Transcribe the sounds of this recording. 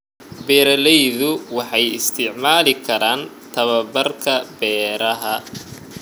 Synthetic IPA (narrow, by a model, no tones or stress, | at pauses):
bɛːɾɐlɛjðʊwɑħɑjɪst̪ʰɪʕmaːlɪkʰɐɾaːnt̪ʰɐβɐbɐrkʰɐbɛːɾɐɦɐ